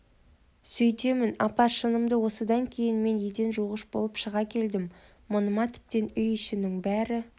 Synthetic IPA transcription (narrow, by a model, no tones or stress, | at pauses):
sɵjt̪e̞mɪnɑpɑʃənəmd̪əwo̞səd̪ɑŋkʲʰe̞jɪnme̞ned̪e̞nʒuʁəʃbo̞̰lˠəpʃəʁɑkʲʰe̞ld̪ɪmː | ʊnəmɑt̪ʰɪ̥p̚t̪e̞nʏjʏʃɪnɪŋbæɾɪ